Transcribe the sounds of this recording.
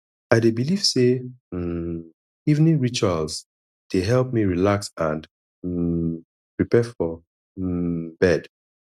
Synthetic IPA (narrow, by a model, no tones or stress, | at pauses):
aɪdebiliv̥se | ivnĩɹit͡ʃalz | d̥eɦɛlpmiɹilaksãnd | pɹipɛfɔ | bɛd̥